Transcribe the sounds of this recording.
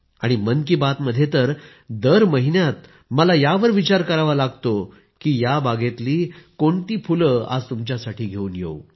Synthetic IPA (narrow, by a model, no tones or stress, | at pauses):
aɽ̃imənkiːbat̪məd̪ʱːjet̪əɾ | d̪əɾməɦinjat̪̚ | məlajaʋəɾʋit͡ɕaɾkəɾaʋalaɡt̪o | kiːjabaɡet̪liːkoɳt̪iːfuləa̰d͡zt̪umt͡ɕjasaʈʰiːɡʱeuːnjḛw